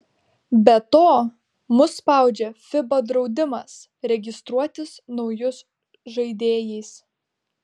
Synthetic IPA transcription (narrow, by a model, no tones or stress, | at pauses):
bʲɛt̪oː | mʊspɑˑʊd͡ʒʲɛfʲɪbod̪ɾɒʊd̪ʲɪmɐs | ɾʲɛɡʲɪst̪ɾuɔt̪ʲɪsnɒʊjʊs | ʒɐɪd̪ʲeːjɛɪs